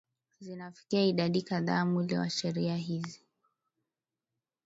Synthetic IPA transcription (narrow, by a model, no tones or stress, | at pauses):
zinafi̥kiaiɗaɗikaða̰ːmulḭwa̰ʃɛɾiaɦizi